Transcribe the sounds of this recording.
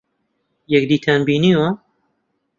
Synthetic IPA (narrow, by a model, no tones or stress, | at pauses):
jɛk̚d̪iːt̪ʰanbiːniːwa